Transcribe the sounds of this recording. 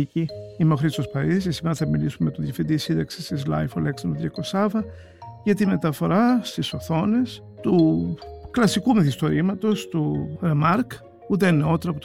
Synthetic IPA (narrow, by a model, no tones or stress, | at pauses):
iciimoxɾit̪sospɐɾiðisesimeɾθɐmilisumemet̪oðjɐfind̪isind̪ɐksi̥sizlɐ̰jfo̰leksint̪oðɾjɐkosɐvɐ | cet̪ime̞t̪ɐfo̞ɾɐst̪iso̞θo̞ne̞s | t̪u | klɐsikumeθist̪o̞ɾimɐt̪o̞st̪uɾemɐɾk | ut̪̬eneo̞t̪eɾɐpo